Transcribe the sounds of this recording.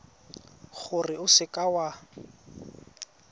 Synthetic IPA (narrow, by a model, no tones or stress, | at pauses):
χʊrɪʊsɪkʼawa